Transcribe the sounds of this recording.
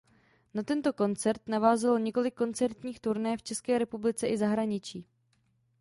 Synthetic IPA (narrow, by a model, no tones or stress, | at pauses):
nat̪ɛnt̪o̞ko̞nt͡sɛɾt̪navaːzɛlɲɪko̞lɪkːo̞nt͡sɛɾt̪ɲiːxt̪uɾnɛft͡ʃɛskɛːɾɛpublɪt͡sɛʔɪzaɦɾaɲɪt͡ʃiː